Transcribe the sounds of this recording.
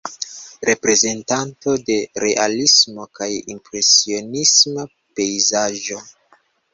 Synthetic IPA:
ɾe̞pɾe̞ze̞ntanto̞de̞ɾe̞ʔalismo̞kajimpɾe̞sio̞nisma | pe̞izaʒo̞

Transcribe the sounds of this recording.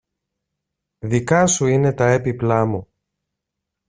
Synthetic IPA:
ðikɐsuine̞t̪ɐepiplɐmu

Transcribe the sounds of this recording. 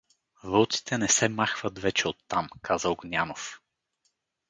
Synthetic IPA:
vəlˠt̪si̥t̪ɛnɛsɛmaxvət̪vɛt͡ʃɛot̪ːamkazəoɡnʲanof

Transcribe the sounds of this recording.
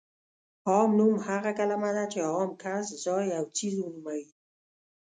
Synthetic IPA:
hɔmnumhaʁakalamad̪at͡ʃeɔmkʰaszɔjawt͡sʰizunumawi

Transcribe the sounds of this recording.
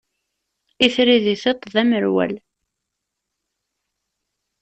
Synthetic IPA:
iθɾiðiθet̪ˤːðæməɾwæ̰l

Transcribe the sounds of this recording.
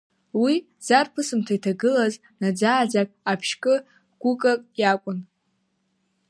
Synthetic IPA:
wi | z̥arpʰɨsɨmtʰaitʰaɡɨlaz | nad͡zaːd͡zakʼapʰʃkʼɨ | ɡ̥ʷʊkʼakʼjakʷʼʊn

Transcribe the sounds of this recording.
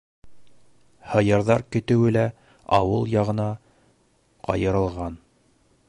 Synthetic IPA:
hɤ̆jɤ̆ɾðɑɾkɵ̆t̪ɘ̆wɘlæ | ɑ̰wɤlˠjɑʁɤ̆nɑ | qɑ̰jɤ̆ɾɤ̆lˠʁɑn

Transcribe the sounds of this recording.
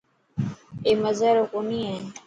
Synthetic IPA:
eːməzəɾoːkoniːẽː

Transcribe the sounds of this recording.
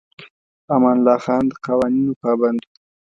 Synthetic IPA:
amɑnlɑːxɑːnd̪əqawɑːninopɑːband̪

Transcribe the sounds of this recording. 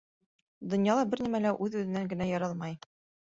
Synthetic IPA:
d̪ŏnjɑlˠɑbɘɾnimælæʔʉðʉðɘ̆næŋɡɘ̆næjɑɾɑlˠmɑj

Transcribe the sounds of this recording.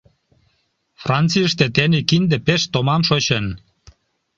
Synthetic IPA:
frɑnt͡siəʃt̪et̪enekind̪epeʃt̪omɑmʃoɕen

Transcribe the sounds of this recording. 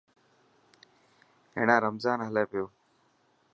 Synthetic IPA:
ɦḛːɽãːɾəmzaːnɦəlaːpjoː

